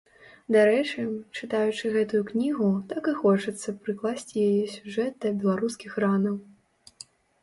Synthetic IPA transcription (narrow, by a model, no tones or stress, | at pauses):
d̪aɾɛt͡ʂɨt͡ʂɨt̪ajut͡ʂɨɣɛt̪ujuknʲiɣut̪akɨxɔt͡ʂɐt̪sːɐpɾɨklˠasʲt͡sʲijajɛsʲuʐɛt̪̚d̪ɐbʲɛlˠaɾuskʲixɾanɐw